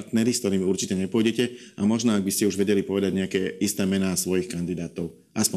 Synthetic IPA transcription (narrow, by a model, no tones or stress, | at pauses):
ɾt̪nɛɾiskt̪ɔɾiːmuɾt͡ʃicɛɲɛpʊɔjɟɛcɛamɔʒnɔaɡ̚biscɛuʒʋɛɟɛlipɔʋɛd̪aɟɲɛakɛːist̪ɛːmɛnaːsʋɔjixkand̪id̪aːt̪ɔʊ | ʔaspɔ